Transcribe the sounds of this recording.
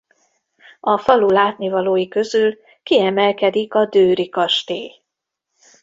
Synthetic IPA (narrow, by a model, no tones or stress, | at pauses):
ɒfɒlulaːt̪nivɒloːjikø̞zyl | kiɛmɛlkɛd̪ikɒd̪øːɾikɒʃt̪eː